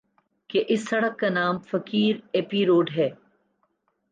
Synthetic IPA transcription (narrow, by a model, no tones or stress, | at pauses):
keʔɪsːɐɽəkːanaːmfɐkiːɾeːpiːɾoːɖɦɛː